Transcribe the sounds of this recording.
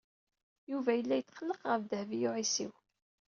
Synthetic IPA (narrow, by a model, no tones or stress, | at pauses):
juvæjəlːæjət͡sːχəlːəqʁəfðəhvijʊʕisḭw